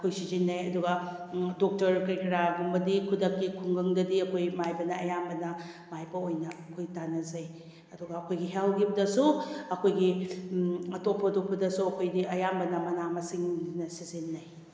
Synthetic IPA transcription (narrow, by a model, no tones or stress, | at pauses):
ɐkʰojsizinːɐjɐduɡɐ | dok̚tɐɾkɐɾkʰɐɾaɡumbɐdikʰudɐkːikʰuŋɡɐŋdɐdiɐkʰojmajbɐnɐɐjambɐnɐ | majbɐojnɐɐkʰojtanɐzɐj | ɐduɡɐːkʰojɡiɦelɡibɐdɐsuɐkʰojɡi | ɐtopʰːɐdok̚pɐdɐsuɐkʰojdiʔɐjambɐnɐmɐnamɐsiŋnɐsizinːɐj